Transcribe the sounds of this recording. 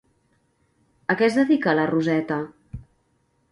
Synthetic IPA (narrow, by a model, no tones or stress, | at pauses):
əkɛzðəðikələruzɛt̪ə